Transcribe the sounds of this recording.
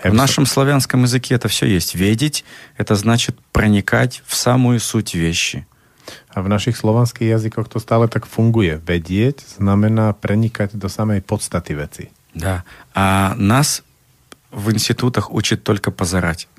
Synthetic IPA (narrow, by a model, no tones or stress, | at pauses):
ɛvnaʂəmslˠɐvʲanskəmjɪzɨkʲeɛt̪əfsʲɵ̰jesʲtʲvʲedʲɪtʲɛt̪əznat͡ɕɪt̪̚pɾənʲɪkatʲfsamʊjʊsutʲvʲeɕːɪ | avnaʃixslˠɔʋɛnskiɣjazikɔxt̪ɔst̪aːlɛt̪akfuŋɡujɛʋɛɟɪɛɟz̥namɛnaːpɾʔɛɲikaɟd̪ɔsamɛjpɔt̪st̪at̪iʋɛt͡si | d̪aanas | vɨnsʲtʲɪt̪ut̪əxṵt͡ɕɪt̪ːolʲkəpəzɐɾatʲ